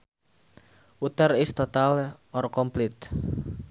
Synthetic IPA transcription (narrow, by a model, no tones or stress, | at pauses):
ʔut̪ərɪst̪ɔt̪alɔrkɔmplɪt̪̚